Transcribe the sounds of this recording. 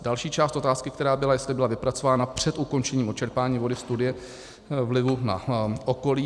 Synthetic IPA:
dalʃiːt͡ʃaːst̪ʔo̞t̪aːskɪkt̪ɛɾaːbɪlajɛst̪lɪbɪlavɪpɾat͡so̞vaːnapr̝̥ɛt̪uko̞nt͡ʃɛɲiːmʔot͡ʃɛɾpaːɲiːvo̞dɪfst̪udɪjɛ | vlɪvuna̰ʔoko̞liː

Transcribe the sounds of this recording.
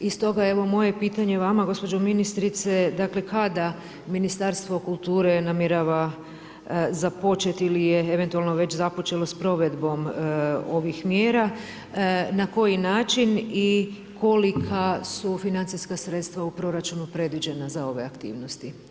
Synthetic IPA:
ist̪o̞ɡae̞ʋo̞mo̞je̞piːt̪aɲe̞ʋamaɡo̞spo̞d͡ʒominist̪ɾit̪se̞d̪akle̞kad̪a | minist̪aɾst̪ʋo̞kulˠt̪uːɾenamjeɾaʋa | zapo̞t͡ʃe̞t̪ilijeeʋe̞nt̪ualˠno̞ʋe̞t͡ɕzapo̞t͡ʃe̞lo̞spɾo̞ʋe̞d̪bo̞mo̞ʋixmjeːɾa | nako̞jinaːt͡ʃini | ko̞likʰasufinant̪iskasɾet̪st̪ʋaupɾo̞ɾat͡ʃunupɾe̞d̪ʋid͡ʑenazao̞ʋe̞akt̪ḭːʋno̞st̪i

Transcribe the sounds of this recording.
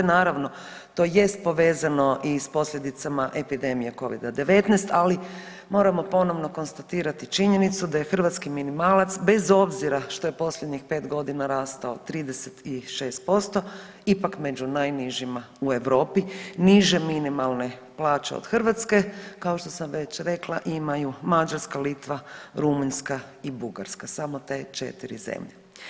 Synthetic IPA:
naːɾaʋno̞ | t̪o̞ːje̞st̪̚po̞ʋe̞ːzano̞ʔispo̞slʲʎe̞d̪it̪samaʔe̞pid̪e̞mijeko̞ʋḭd̪ad̪e̞ʋe̞t̪nejst̪ali | mo̞ːɾamo̞po̞no̞ʋnoko̞nst̪at̪iːɾat̪it͡ʃiɲe̞nit̪sud̪aje̞xr̩ʋat̪skiminimaːlat̪sbe̞zo̞bziɾaʃt̪o̞je̞po̞slʎʲe̞d̪ɲixpe̞ːt̪ɡo̞d̪inaɾaːst̪aot̪ɾiːd̪eset̪iʃe̞ːst̪̚po̞st̪o̞ | ipakme̞d͡ʒunajniʒima | ue̞ʋɾo̞ːpiniʒe̞minimalˠne̞ | plˠaːt͡ʃeo̰d̪xr̩ʋat̪ske̞kao̞ʃt̪o̞samʋe̞t͡ɕɾe̞kla̰ʔimajumad͡ʒaɾskalit̪ʋaɾumuɲskaibuɡa̰ɾskasamot̪e̞t͡ʃe̞̰t̪iɾḭzḛmʎe

